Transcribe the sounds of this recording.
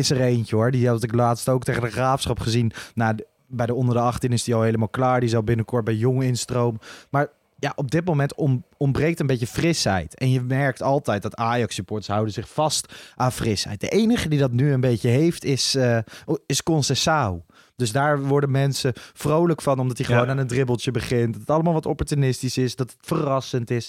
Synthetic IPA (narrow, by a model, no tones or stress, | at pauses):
ɪsərejncəɦɔɹdiɑtɪklaːtstowk̚teχəndəχraːfsχɑpχəzinna | bɛjdəɔndəɹdəɑχtinɪsdiɑlˠɦejləmaːlˠklaːɹdiɪsɑlˠbɪnəkɔɹt̚bɛjjɔŋɪnstrowməmaːɹ | jaːʔɔb̚dɪt̚mowmɛntɔɔmbrejk̚təmbejcəfrɪsɦɛ̰jtɛnjəmɛɹk̚tɑlˠtɛjt̚d̥ɑtaːjɑksypɔːɹtə̥sɦʌwdənzɪχfɑstʔaːnfrɪsɦɛ̰jt̚də̰ʔejnəχədidɑtnyənbejcəɦejftɪsəɪskɔnsɛsaw | d̥ɵzdaːɹʋɔɹdəmɛnsəfrowləkfɑnɔmdɑtiχəʋownaːnəndrɪbəlˠtjəbəχɪntdɑtətɑləmaːlˠʋɑtɔpɔɹtynɪstisɪsdɑtətfərɑsəntɪs